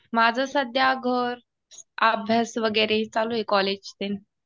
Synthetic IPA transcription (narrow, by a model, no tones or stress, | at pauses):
mad͡zʱəsəd̪ʱjaɡʱəɾ | abʱjasʋəɡəɾeɦit͡saluekɔled͡ʑt̪en